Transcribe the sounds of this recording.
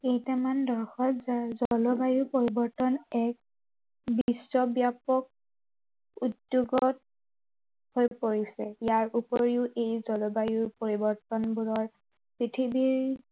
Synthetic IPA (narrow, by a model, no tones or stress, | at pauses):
ejtɛmandɔɹxɔtzazɔlɔbajuɹpoɹibɔɹtɔnɛk̚ | bisːɔbjapɔk̚ | udjuɡɔt̚ | hojpoɹisɛjaɹʔupɔɹiʊʔejzɔlɔbajuɹpoɹibɔɹtɔnbulɔɹ | pɹitʰibiɹ